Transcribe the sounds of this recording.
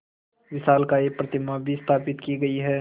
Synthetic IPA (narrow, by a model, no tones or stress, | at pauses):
ʋɪʃaːlkaeːpɾɐt̪ɪmabʱist̪ʰaːpɪt̪kiɡɐiɦɛː